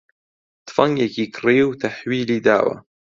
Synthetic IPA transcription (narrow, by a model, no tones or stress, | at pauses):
t̪fɐŋɡekiːkʰriːwt̪ʰaħwiːliːd̪a̰ːwɐ̰